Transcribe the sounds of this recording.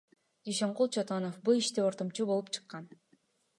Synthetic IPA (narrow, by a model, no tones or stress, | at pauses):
d͡ʒiʃeɴqulˠt͡ʃʰot̪onofbulˠiʃt̪epo̞ɾt̪omt͡ʃubo̞lˠup̚t͡ʃʰɯ̥qːɑn